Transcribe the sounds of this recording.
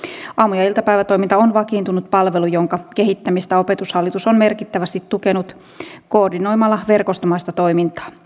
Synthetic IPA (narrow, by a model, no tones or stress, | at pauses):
ʔɑːmːujɑilt̪ɑpæjʋæt̪o̞jmint̪ɑonʋɑkiːnt̪unut̪̚pɑlʋe̞lujoŋkɑke̞ɦit̪ːæmist̪æo̞pe̞t̪ushɑlːit̪usonme̞rkit̪ːæʋæst̪it̪tuke̞nut̪ | ko̞ːrdino̞jmɑlːɑʋe̞rko̞st̪omɑist̪ɑt̪o̞jmint̪ɑ̥ː